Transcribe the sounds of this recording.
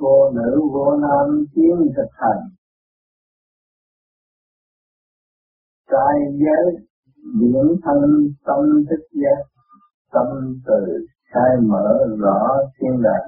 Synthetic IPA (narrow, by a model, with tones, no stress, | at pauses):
vo˧nɨ̰˧˥vo˧˩naː˧mt͡ɕi˨˦ənt̪ʰɨ˨˩k̚hʰa˨˩jŋ | taː˧jzəː˨˦j | ɓḭ˧˩ənt̪ʰə˧ŋt̪ə˧mt̪ʰɨ˦˥k̚zaː˦˥t̚ | t̪ə˧mt̪ɨ˨˩ | xaː˧jmə̰ː˧˩˦zɔ˧˩˦si˧ənla̰ː˨˩